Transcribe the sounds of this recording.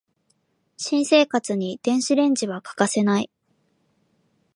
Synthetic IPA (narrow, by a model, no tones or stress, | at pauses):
ɕĩɰ̃se̞ːkat͡sɨɲ̟id̪̥ẽ̞ɰ̃ɕiɾẽ̞ɲ̟d͡ʑiβakḁkase̞nai